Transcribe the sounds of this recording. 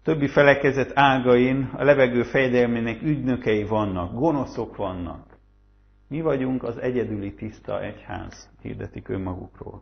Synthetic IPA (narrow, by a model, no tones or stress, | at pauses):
t̪ø̞bːifɛlɛkɛzɛt̪ʰaːlɡɒjinɒ̰lɛvɛɡøːfɛjɛd̪ɛlmeɲnɛkyɟnø̞kɛjivɒnːɒɡɡo̞no̞so̞kʋɒnːɒ̰k | mivɒɟuŋkɒzɛɟɛd̪ylit̪ist̪ɒ̰ʔɛcha̰ːz̥hḭrd̪ɛt̪ikø̞̰mːɒɡṵkro̰ːl